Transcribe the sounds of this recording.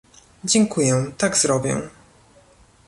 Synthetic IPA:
d͡ʑɛŋkujɛt̪aɡzɾɔbʲjɛ̰̃

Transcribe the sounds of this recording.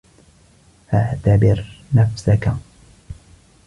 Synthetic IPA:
ʔaʕt̪abɪɾnafsaka

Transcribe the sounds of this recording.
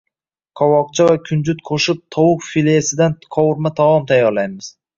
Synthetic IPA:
qʰɒwɒq̚t͡ʃʰavakʲʰʊnd͡ʒʊt̪̚qʰoʃɪp̚t̪ʰɒwʊqfilesɪd̪anqʰɒwʊɾmat̪ʰawɒmt̪ʰajːɒɾlajmɪz̥

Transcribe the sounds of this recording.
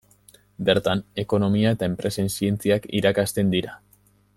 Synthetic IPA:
be̞ɾt̪ane̞ko̞no̞miae̞t̪ae̞mpɾe̞se̞nsie̞nt͡siakḭɾakast̪e̞nd̪iɾa

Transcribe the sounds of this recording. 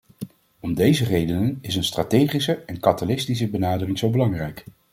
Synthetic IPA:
ɔmdejzərejdənənɪs̬ənstratejχisəɛnkɑtalɪstis̬əbənaːdərɪŋzowbəlɑŋrɛjk

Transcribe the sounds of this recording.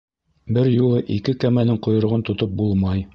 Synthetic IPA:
bɘɾjulˠɤʔikɘkæmænɘŋqŏjŏɾŏʁɤnt̪ŏt̪op̚bulˠmɑj

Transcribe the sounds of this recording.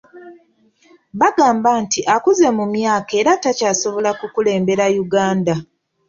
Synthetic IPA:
βaɡaːmbaːntiʔakuze̞mumjaːke̞ːɾatacaːso̞βo̞lakukule̞ːmbe̞ɾajuɡaːnda

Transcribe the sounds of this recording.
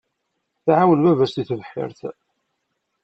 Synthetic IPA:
θaʕawənvævæst̪iθðəħːɪ̰ɾθ

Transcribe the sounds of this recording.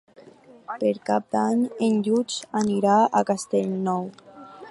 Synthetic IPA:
peɾkap̚d̪aɲenʎut͡ʃaniɾaakast̪eʎnɔw

